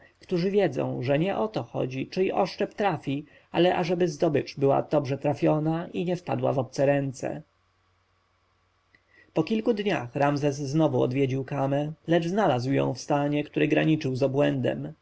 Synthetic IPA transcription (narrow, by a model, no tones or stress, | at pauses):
kt̪uʐɘvʲjɛd̪zɔ̰̃w̃ʐɛɲɛʔɔt̪ɔxɔ̰d͡ʑit͡ʂɘiʔɔʂt͡ʂɛpt̪ɾafʲi | alɛʔaʐɛbɘzd̪ɔbɘt͡ʂbɘwa̰d̪̥ɔbʐɛt̪ɾafʲjɔnaʔiɲɛfpad̪wa̰vɔp̚t̪sɛɾɛnt̪sɛ̰ | pɔkʲilkud̪ɲa̰xɾamzɛsːnɔvuɔ̰d̪vʲjed͡ʑiwkamɛlɛd͡ʐznalazwjɔ̰̃w̃fst̪aɲɛkt̪uɾɘɡɾaɲit͡ʂɘwzabwɛnd̪ɛ̰m